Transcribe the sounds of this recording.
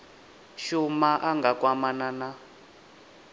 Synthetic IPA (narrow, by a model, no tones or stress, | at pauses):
ʃumaʔaŋɡakwamanana